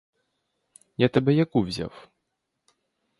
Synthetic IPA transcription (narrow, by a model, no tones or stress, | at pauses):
jat̪ɐbɛjakuvʲzʲa̰w